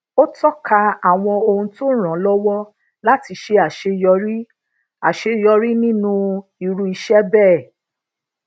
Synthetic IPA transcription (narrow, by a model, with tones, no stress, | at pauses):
o˦tɔ˦ka˧a˨w̃ɔ̃˧o˧hũ˧to˦ɾ̃ã˨˦lɔ˦wɔ˦ | la˦ti˧ʃe˧˦a˨ʃe˧jɔ˧ɾi˦ | a˨ʃe˧jɔ˧ɾi˦nĩ˦nũ˦i˧ɾu˧i˧ʃɛ˦bɛː˦˨